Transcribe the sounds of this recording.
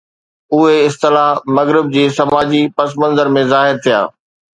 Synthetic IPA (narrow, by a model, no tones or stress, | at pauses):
ʊɦeɪst̪ɪlaɦmɐɣɾɪb̚d͡ʑiːsɐmaːd͡ʑipɐs̬mə̃nzəɾmẽzaːɦɪɾt̪ʰija̰ː